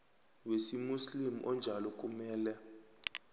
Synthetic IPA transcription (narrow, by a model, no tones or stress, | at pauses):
wesimuslimṵʔɔnd͡ʒʱalɔk̬ʼumɛːlɛ